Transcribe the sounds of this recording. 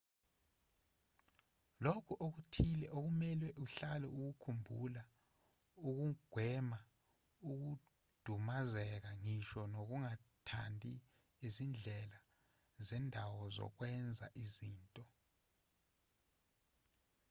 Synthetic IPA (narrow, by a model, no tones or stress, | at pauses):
lokʰuʔok̬utʰilɛʔok̬umɛlwɛʔuɬalɛ̰uk̬ukʰumbʱula | uk̬uɡ̥ʱwɛma | uk̬u | d̥ʱumazɛk̬aŋiʃɔnok̬uŋatʰandʱi | izind͡ɮʱɛla | zɛndʱawɔzɔ̰k̬wɛnd͡zʱa̰ʔiziːntʼɔ